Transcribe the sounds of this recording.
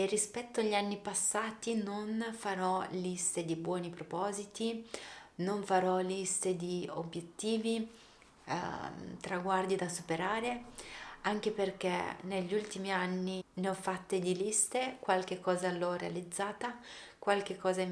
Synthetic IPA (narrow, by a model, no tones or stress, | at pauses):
erːispɛt̪ːoaʎːanːipasːaːt̪inonfaɾɔlist̪ed̪ibwɔːnipɾopɔːzit̪i | noɱfaɾɔlist̪ed̪iobjet̪ːiːvḭ | t̪ɾaɡward̪id̪asupeɾaːɾe | aŋkeperk̟ḛneʎːult̪imianːineɔfːat̪ːed̪ilist̪ekwalk̟ekːɔːzalɔrealid̪zːaːt̪akwalk̟ekːɔːza